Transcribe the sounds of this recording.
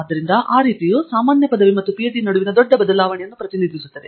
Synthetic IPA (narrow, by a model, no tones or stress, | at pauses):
d̪ːɐɾind̪ɐʔaːɾiːt̪ijusaːmaːnjɐpɐd̪ɐʋimɐt̪ːupijɐʈ̬inɐɽuʋinɐd̪ɔɖːɐbɐd̪ɐlaːʋɐɳɛjɐnːupɾɐt̪inid̪ʱisut̪ːɐd̪e